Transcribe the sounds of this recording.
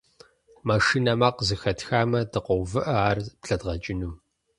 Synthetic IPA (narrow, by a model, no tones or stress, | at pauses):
maʂinɐmaːqzɨxɐtxaːmɐdɨqʷɔwvɨʔɐaːrpɬɐdʁɐt͡ʃʼɪnum